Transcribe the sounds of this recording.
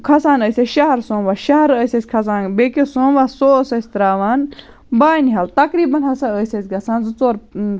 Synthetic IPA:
kʰɐsaːnəːsʲesʃɐɦɐɾsõːnʋaːʃɐɦɐɾəːsʲɐsʲkʰɐs̬aːnbekesõːnʋaːsoːsɐsʲt̪ɾaːʋaːn | baːnɦɐlt̪ɐkɾiːbɐnɦɐsaəːsʲɐsʲɡɐsãːnzɨt͡soːɾ

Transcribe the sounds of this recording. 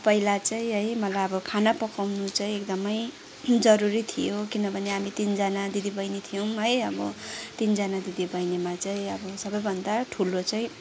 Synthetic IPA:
pʌilat͡saĩɦʌjmʌlajʌbʌkʰanapʌkawnut͡saĩekd̪ʌmʌj | d͡zʌɾuɾit̪ʰijokinʌbʱʌneɦamit̪ind͡zanad̪id̪ibʱʌjnet̪ʰijʌwɦʌjʌbʌ̰t̪ind͡zanad̪id̪ibʱʌjnemat͡saĩʌbʌsʌbʌjbʱʌnd̪aʈʰulot͡saĩ

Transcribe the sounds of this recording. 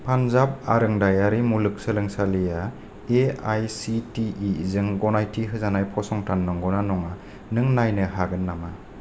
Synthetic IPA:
pʰanzab̚aɾɯŋdajaɾimulɯk̚sɯlɯŋsalija | eajsitiizɯŋɡɔnajtʰiɦɯzanajpʰɔsɔŋtʰanːɔŋɡɔnanɔŋa | nɯŋnajnɯɦaɡɯnːama

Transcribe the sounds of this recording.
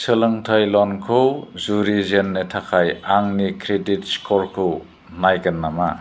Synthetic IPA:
sɯlɯŋtʰajlɔnkʰɯwzuɾizenːɯtʰakʰajaŋnikʰɾedit̚skʰɔɾkʰɯw | najkɯnːama

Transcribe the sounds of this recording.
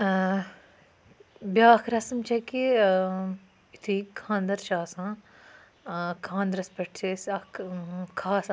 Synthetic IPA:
bʲjaːkʰɾɐsɐmt͡ʃɐki | it̪ʰuikʰãːnd̪ɐɾʃaːsãː | kʰãːnd̪ɾɐspɐʈt͡ʃʰesɐkkʰaːs

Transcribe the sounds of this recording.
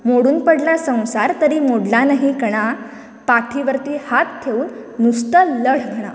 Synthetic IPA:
moɽuːnpəɽljasə̃w̃saɾt̪əɾiːmoɽlanaɦiɡəɽ̃a | paʈʰiʋəɾt̪iːhat̪t̪ʰːeuːnnust̪ələɭ̤ɡʱeɽ̃a̰

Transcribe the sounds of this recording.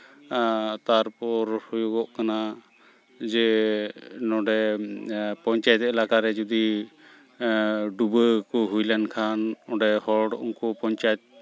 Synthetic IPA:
t̪aɾpɔɾhujɔɡɔʔkana | d͡ʒɛ | nɔɖɛ | pɔɲt͡ʃajɛt̪ɛlakaɾɛd͡ʒud̪i | ɖubəkɔɦujlankʰanɔɖɛhɔɖṵŋkɔpɔɲt͡ʃajɛt̪̚

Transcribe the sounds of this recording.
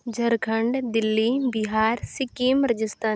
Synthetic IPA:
d͡ʒʱɐɾkʰəɳɖd̪ɪlːibɪɦaːɾsɪkimɾəd͡ʒɪst̪aː

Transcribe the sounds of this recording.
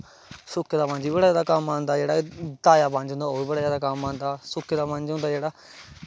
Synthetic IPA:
sʊkʰːd̪aːpãːɲd͡ʒiːbəɽaːzjaːd̪aːkamːãːnd̪aːd͡ʒeːɽaːd̪aːjaːpãɲd͡ʒʊ̃nd̪aːoːibəɽaːjaːd̪aːkamãːnd̪aːsʊkʰːd̪aːpãnd͡ʒɦʊ̃nd̪aːd͡ʒeːɽaː

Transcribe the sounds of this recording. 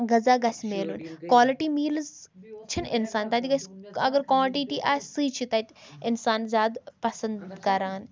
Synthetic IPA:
ɡɐzaːɡɐsʲmeːlunkwaːlɪʈiːmiːlzt͡ʃʰinɪnsaːnt̪ɐt̪iɡɐsʲɐɡəɾkwãːʈiʈiːʔaːsɨːt͡ʃʰit̪ɐt̪ɪnsaːnzʲaːd̪pɐsɐnd̪kɐɾaːn

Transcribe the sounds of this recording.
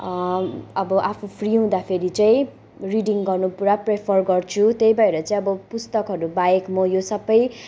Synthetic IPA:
ʌbʌʔapʰupʰriũd̪apʰeɾit͡saĩ | riɖiŋɡʌrnupuɾaprepʰʌrɡʌrt͡sʰut̪ejbaeɾʌt͡saĩʌbʌpust̪ʌkɦʌɾubaekmʌjosʌbʌj

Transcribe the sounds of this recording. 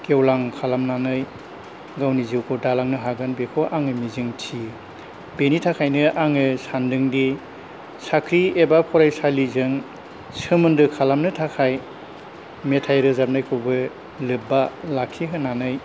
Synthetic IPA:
kewlaŋkʰalamnanɯj | ɡawniziwkʰɔdalaŋnɯɦaɡɯnbekʰoʔaŋɯmizɯŋtʰi | benitʰakʰajnɯʔaŋɯsandɯŋdi | sakʰɾiebapʰɔɾajsalizɯŋ | sɯmɯndɯkʰalamnɯtʰakʰaj | metʰajɾɯzap̚najkʰɯbɯ | lɯbalakʰiɦɯnanɯj

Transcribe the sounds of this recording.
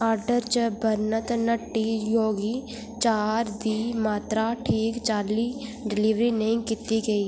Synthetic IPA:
aːɾɖəɾt͡ʃəbəɾnət̪nəʈːijoːɡi | t͡ʃaːɾd̪iːmaːt̪ɾaʈʰiːkt͡ʃaːliɖɪliːʋɾinɐɪ̃kit̪iɡɐiː

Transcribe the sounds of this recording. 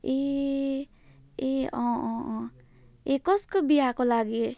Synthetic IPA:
e | eɔ̃ | ekɔskobijakolaɡie

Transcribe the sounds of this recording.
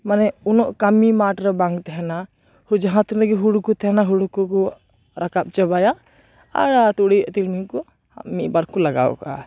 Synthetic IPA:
manɛunɔʔkamimaʈɾɔbaŋɡt̪ɛɦɛna | hud͡ʒaɦãt̪ɾnaɡɛɦuɽkut̪ɛɦɛnaɦuɽkukɔ | ɾʔakap̚t͡ʃəbaja | a̰ɾat̪uɽiʔt̪ilmikɔ | a̰ʔmiʔbaɾkulaɡa̰wɔ̰ʔkaʔa̰

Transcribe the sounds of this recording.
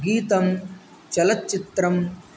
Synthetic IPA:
ɡiːt̪ɐm | t͡ʃɐlɐtːt͡ʃːit̪ɾɐm

